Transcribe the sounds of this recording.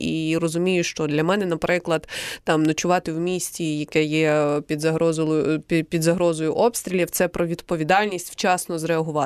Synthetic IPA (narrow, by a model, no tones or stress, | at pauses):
irɔzʊmʲijʊʃt͡ʃɔd̪lʲɐmɛnɛnɐpɾɪklˠɐd̪t̪ɑmnɐt͡ʃʊʋɑt̪ɪwmʲisʲtʲijɐkɛjɛpʲid̪zɐɦɾɔzlˠɔjʊpʲid̪zɐɦɾɔzɔjʊʔɔpst̪ɾʲilʲiwt̪sɛpɾɔʋʲid̪pɔʋʲid̪ɑlʲnʲisʲtʲwt͡ʃɑsnɔzɾeɐɦʊʋɑ